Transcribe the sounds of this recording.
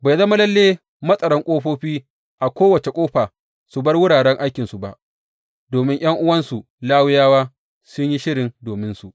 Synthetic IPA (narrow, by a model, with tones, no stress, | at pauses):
ba˨jzɐ˦ma˦lɐ˦lːeː˦ | mɐ˦sʼɐ˨ɾɐ˦ŋkʷʼoː˦ɸoː˦ɸiː˦ | ʔa˨kʷoː˦wɐ˨t͡ʃe˨kʷʼoː˦ɸaː˨ | su˨bɐ˦rwʊ˦ɽaː˨ɽɛ˦ŋʔa˦jkʲɪ˨nsu˨ba˦ʔ | doː˨mɪ˦ɲj̰ɐ˦ŋʔʊ˦wɐ˦nsu˨ | laː˦wʊ˦jaː˦waː˦ | sʊ˦ɲji˦ʃɪ˦ɽɪ˨ndoː˨mɪ˦nsu˨ʔ